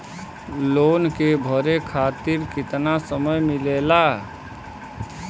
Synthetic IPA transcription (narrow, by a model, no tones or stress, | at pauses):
loːnkebʱəɾekʰat̪iɾkit̪nasəməjmilela